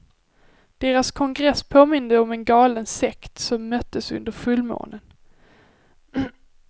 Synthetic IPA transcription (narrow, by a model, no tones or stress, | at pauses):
d̪̥eːɾaskʰɔŋɡɾɛsːpʰoːmɪnd̪əɔmɛnɡɑːlənsɛkt̪sɔmːœt̪ːəsɵ̰nd̪əɾfɵlːmo̰ːnən